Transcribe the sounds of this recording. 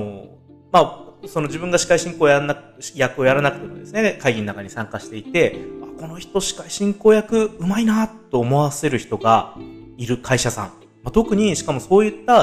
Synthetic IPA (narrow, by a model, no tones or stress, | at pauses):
o | maso̞nod͡ʑibɯ̟̃ŋɡaɕi̥kaiɕĩŋko̞ːjana | jakɯo̞jaɾanakɯ̟t̪oked̪esɨne̞kaiɡʲinːakaɲ̟isãŋkaɕi̥t̪e̞it̪e̞ako̞no̞çi̥t̪o̞ɕi̥kaiɕĩŋko̞ːjakɯ̟ɯ̟mainat̪ːo̞ːmo̞βase̞ɾɯ̟çi̥t̪o̞ɡaiɾɯ̟kʰaiɕasã̰ɴ | mat̪o̞kɯ̟ɲ̟iɕi̥kamo̞so̞ːjɯ̟t̪ːa